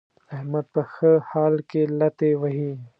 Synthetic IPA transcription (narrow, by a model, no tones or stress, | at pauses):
ɐɦmɐd̪̚pɐxəhaːlkelɐt̪ewɐɦi